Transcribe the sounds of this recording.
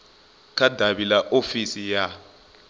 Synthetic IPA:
kʰʼadʱaβilaʔofisija

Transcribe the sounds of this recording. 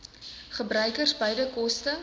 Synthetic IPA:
χəbrœɥkərsbəjdəkɔstə

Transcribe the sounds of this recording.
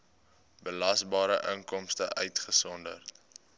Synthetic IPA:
bəlɐsbɑːɾəʔəŋkɔmstəʔœɥtχəsɔndə̰rt

